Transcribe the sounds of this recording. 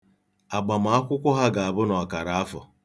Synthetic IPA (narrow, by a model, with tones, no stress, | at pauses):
a˨ɡ͡ba˨m̩a˨a˦kʷʊ˦kʷʊ˦ɦa˦ɡa˨a˨bʊ˦nɔ˨a˨ka˨ɾa˨a˦fʊ̰˨